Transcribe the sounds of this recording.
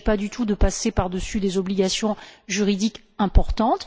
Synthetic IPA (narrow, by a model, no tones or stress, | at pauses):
pad̪yt̪ʰud̪əpasepaʁd̪əsyd̪ezɔbliɡasjɔ̃ʒyʁid̪ik | ɛ̃pɔʁt̪ɑ̃t̪